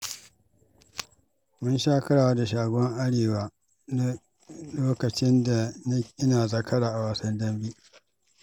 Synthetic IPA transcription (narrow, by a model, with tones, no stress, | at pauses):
mʊ˦nʃaː˦kɐ˦ɽaː˨wa˦da˨ʃaː˨ɡʷɔ˦ŋʔa˦ɽeː˨waː˨ | na˦ | loː˦kɐ˨t͡ʃɪ˦nda˨na˦ʔɪ˦naː˨zɐ˦˨kʰɐ˦ɽaː˨ʔa˨waː˨sɐ˦ndɐ˦mbi˦ʔ